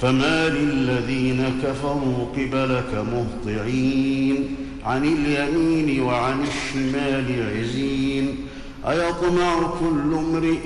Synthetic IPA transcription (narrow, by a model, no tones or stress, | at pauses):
famaːlɪlːaðiːnakafaɾˤuːqɨbalakamʊht̪ˤɨʕiːn | ʕanɪljamiːnɪwaʕanɪʃːɪmaːlɪʕɪziːn | ʔajat̪ˤʊmaːʕʊkʊlːʊmɾɪ